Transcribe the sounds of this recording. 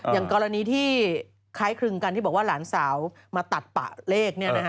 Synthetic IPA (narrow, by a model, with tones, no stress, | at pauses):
jaː˨˩ŋkɔː˧ɾa˧niː˧˦t̪ʰiː˥˩ | kʰaː˦˥jkʰɾɯ˧ŋka˧nt̪iː˥˩bɔː˨˩kwaː˥˩laː˩˦nsaː˩˦w | maː˧t̪a˨˩t̪̚pa̰˨˩ʔleː˥˩k̚ni˥˩na˦˥˦